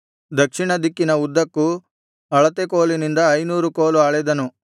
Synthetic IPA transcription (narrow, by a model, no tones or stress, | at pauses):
d̪ɐkʂiɳɐd̪ikːinɐud̪ːɐkːu | ɐɭɐt̪ekoːlinind̪ɐːjnuːɾukoːluaːɭɛd̪ɐnu